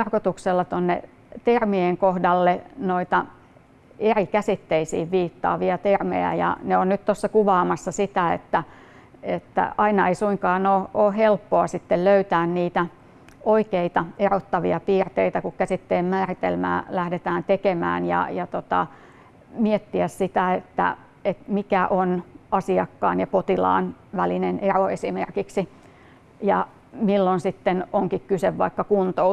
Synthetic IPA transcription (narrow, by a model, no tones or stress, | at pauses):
rkot̪ukselːɑt̪onːḛ | t̪ermieŋkohdɑlːenoit̪ɑ | erikæsit̪ːeisḭːʋʋiːt̪ːɑ̰ːʋiɑt̪ermḛæ̰jɑ̰neonnyt̪t̪osːɑkuʋɑːmɑsːɑsit̪æḛt̪ːæ | et̪ːæ̰ɑinɑeisuiŋkɑːnoːoːhelpːoɑsit̪ːelløyt̪æːnniːt̪æ | ʔoikeit̪ɑerot̪ːɑʋiɑpiːrt̪eit̪ækukkæsit̪ːeːmmæːrit̪ḛlmæ̰ːlæhdet̪æːnt̪ekemæ̰ːnjɑ̰jɑt̪ot̪ɑ̰ | miet̪ːiæssit̪æet̪ːæ̰ | et̪mikæʔonɑsiɑkːɑ̰ːnjɑpot̪ilɑ̰ːnʋælineneroesimerkiksi | jɑ | milːonsit̪ːenoŋkikkyseʋʋɑikːɑkunt̪ou